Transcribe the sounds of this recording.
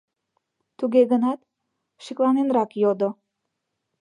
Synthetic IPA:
t̪uɣeɣənɑt̪̚ | ʃiklɑnenɾɑkjod̪o

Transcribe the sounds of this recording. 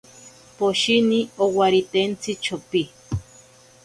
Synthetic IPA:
poʃiniowaɾit̪ent͡sit͡ʃʰopi

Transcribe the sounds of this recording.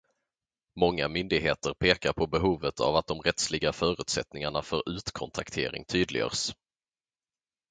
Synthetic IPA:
mɔŋːamʏnd̪ɪɡɦeːt̪əɾpʰeːkaɾpʰɔbɛɦuːvət̪ʰa̰vat̪̚d̪ɔmɾɛt̪slɪɡafœːɾʉ̟ːt̪sɛt̪nɪŋaɳafœɾʉ̟ːt̪kʰɔnt̪ʰakt̪ʰḛːɾɪ̰ŋt̪ʰyːd̪lɪ̰ɡə̰ːɾs

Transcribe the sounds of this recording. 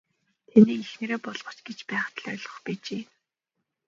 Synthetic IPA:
t̪ʰeniːixnĕɾeːpɔɮʁ̥ɞ̆t͡ɕɡet͡ɕpæːχt̪ʰə̆ɮœɮʁɞ̆χpet͡ɕeː

